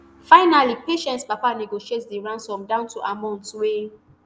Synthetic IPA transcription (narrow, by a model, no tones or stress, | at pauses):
faɪnalipeʃɛ̃ntspapaniɡoʃietdiɹãnsɔ̃mdãʊ̃ntuʔamãʊ̃ntwe